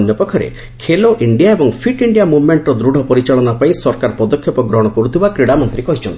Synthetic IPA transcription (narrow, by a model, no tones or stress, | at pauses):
njɔpɔkʰːɔɾḛ | kʰeloʔiɳɖijaebɔŋpʰiʈiɳɖijamubʱmeɳʈɾɔd̪ɾuɽʱɔpɔɾit͡ʃaɭɔnapaĩsɔɾkaɾpɔd̪ɔkʰjɔpɔɡɾɔɦɔɽ̃ɔkɔɾut̪ʰibakɾiɽamɔnt̪ɾikɔɦit͡ʃʰɔnt̪i̥